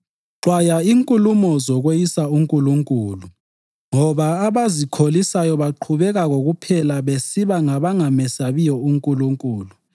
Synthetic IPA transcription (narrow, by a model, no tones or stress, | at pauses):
ǁwajaiŋkʼulumɔzɔɣwejisauŋkʼuluŋkʼuːlu | ŋɔβaːβazikʰolisajɔβaǃʰuβɛɣaɣoɣupʰɛlaβesiβaŋaβaŋamɛsaβijɔuŋkʼuluŋkʼuːlu